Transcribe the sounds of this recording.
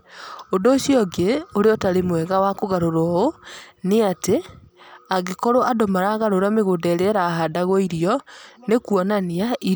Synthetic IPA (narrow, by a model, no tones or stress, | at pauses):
ondoːsjɔɡeoɾeɔtaɾemwɛɣawakoɣaɾoɾɔoneate | aɣekɔɾoʔadomaɾaːɣaɾoɾameɣoːndɛɾeɛɾaːɦadaɣɔiɾijɔnekuɔnaniai